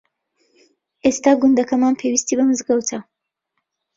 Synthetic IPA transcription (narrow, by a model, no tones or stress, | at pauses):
ʔeːst̪aːɡʊnd̪ɐkɐmaːnpʰewist̪iːbɐmɨzɡɐwt̪ʰɐ